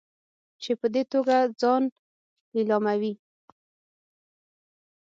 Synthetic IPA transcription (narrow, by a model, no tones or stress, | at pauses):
t͡ʃepəd̪et̪oɡad͡zɑn | ɪlɑmawi